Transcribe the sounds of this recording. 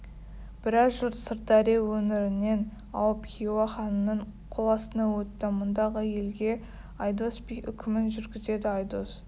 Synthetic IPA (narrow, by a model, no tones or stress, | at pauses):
b̥ɪɾɑzʒʊɾt̪səɾt̪ɑɾewɵnɪɾɪnːe̞n | ɑ̰wəpkʲiwɑχɑnənːəɴ | qʰolˠɑsənɑwɵt̪ːɪmʊnd̪ɑʁəje̞lɡʲe̞ | ɑjd̪osbijʔʏ̰kʲʰɪmɪnʒʏɾɡʲɪze̞d̪ɪɑjd̪os